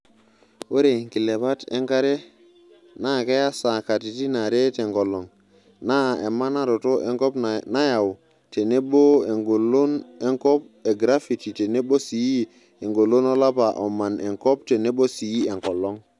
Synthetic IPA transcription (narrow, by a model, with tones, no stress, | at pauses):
wo˦ɾe˨ŋki˨le˨pa˦tḛ˦ŋka˦ɾe˦ | na˦˨ke˦ja˦sa˨ka˨ti˨ti˦na˨ɾe˦te˨ŋko˨lːo˨ŋ | na˦˨e˨mːa˦na˦ɾo˨to˦ʔe˦ŋko˦pna˦ja˨w | te˨ne˦ɓo˦e˨ŋɡo˨lo˦ne˦ŋko˦p̚ | e˨ɡɾa˦fi˨ti˨te˨ne˦ɓo˦si˨ji˦ | e˨ŋɡo˨lo˦no˦la˦pa˨ʔo˨mːa˨ne˨ŋko˦pte˨ne˦ɓo˦si˨ji˦e˨ŋko˨lːo˦ŋ